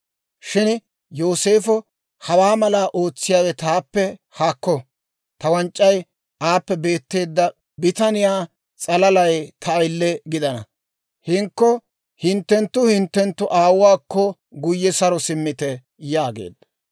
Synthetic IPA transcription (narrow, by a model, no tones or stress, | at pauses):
ʃɪn | jo̞ːse̞ːfɔ | hɐwaːmɐlaːʔo̞ːt͡sːɪjaːwɛt̪aːpːɛ | haːkːɔ | t̪ɐwɐnt͡ʃʼːɐj | ʔaːpːɛbe̞ːt̪ːe̞ːd̪ːɐ | bɪt̪ɐnɪjaː | t͡sʼɐlɐlɐjt̪ʰɐːjlːɛɡɪd̪ɐnɐ̰ | hɪŋkːɔ | hɪnt̪ːɛnt̪ːʊhɪnt̪ːɛnt̪ːʊʔaːwwaːkːɔ | ɡʊjːɛsɐɾɔsɪmːɪt̪ɛ | jaːɡḛːd̪̥ːɐ